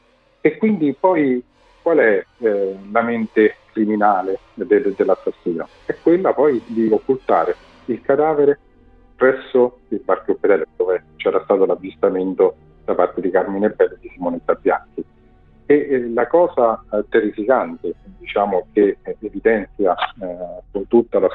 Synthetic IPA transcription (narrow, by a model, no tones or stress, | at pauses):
ekːwind̪ipɔj | kwalɛ | lament̪ekɾiminaːle | d̪eld̪elːasːasːiːno | ɛkːwelːapɔjd̪iokːult̪aːɾe | ilkad̪aːveɾe | pɾɛsːo | ilbarkjofed̪ɛːled̪oːvet͡ʃɛːɾast̪aːt̪olavːist̪ament̪o | d̪̥apart̪ed̪ikarminebːɛlːed̪isimoːnisabːja̰ŋk̟i | elakɔːzad̪erisikant̪ed̪it͡ʃaːmokeːvid̪ɛnt̪sja | kunt̪ut̪ːalas